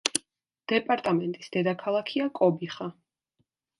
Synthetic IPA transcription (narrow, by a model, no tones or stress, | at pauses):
d̪̥ɛpʼaɾt̪ʼamɛnt̪ʼisd̪̥ɛd̪akʰalˠakʰiakʼɔbiχa